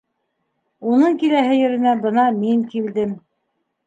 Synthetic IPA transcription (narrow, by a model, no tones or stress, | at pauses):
unɤɴkilæɦɘjɵ̆ɾɘ̆næbɤ̆nɑmiŋkild̪ɘm